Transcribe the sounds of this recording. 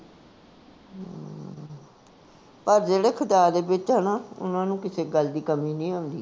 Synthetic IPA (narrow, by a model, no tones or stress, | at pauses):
pəɾd͡ʒeːɽeːkʰət̪aːɾd̪eːbɪt͡ʃənaːʊ̰nãːnũːkɪseːɡəld̪iːkəmiːnĩːaːnd̪ḭː